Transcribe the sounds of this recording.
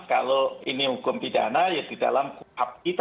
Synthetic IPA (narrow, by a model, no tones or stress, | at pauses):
kaloinihukʊmpida̰najad̥id̥a̰lamkuhap̚kit̪